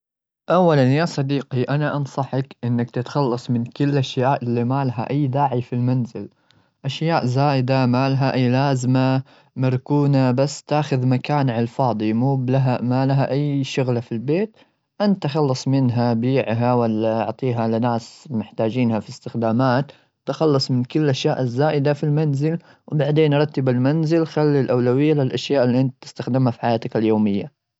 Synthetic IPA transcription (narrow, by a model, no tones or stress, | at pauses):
ʔawːalanjaːsˤɑd̪iːqiʔanaʔɑnsˤɑħakʔɪnːak̚t̪ɪt̪xɑlːɑsˤmɪnkʊlːʔaʃjaːʔɪlːimaːlaɦa̰ʔajːd̪aːʕifilmanzɪl | ʔaʃjaːʔzaːjɪd̪amaːlɦaʔajːlaːzma | mɪɾˤkuːnabasːt̪aːxʊðmakaːnʕɪlfɑːd̪ˤimuːblaɦamalaɦaʔajːʃʊɣlafilbeːt̪ | ʔant̪ːaxɑlːɑsˤmɪnɦabiːʕɦawalːaɑ̰ʕt̪ˤiːɦalɪnaːsmɪħt̪aːd͡ʒiːnhafist̪ɪxd̪aːmaːt̪ | t̪ːaxɑlːɑsˤmɪnkʊlːʔaʃjaːʔɪzːaːʔɪd̪afilmanzɪl | wbaʕd̪eːnɾˤɑt̪ːɪbalmanzɪlxalːilʔawlawɪjːalɪlʔaʃjaːʔɪlːiʔɪnt̪t̪ɪ̥st̪axd̪ɪmhafi̥ħajaːt̪akaljoːmɪjːa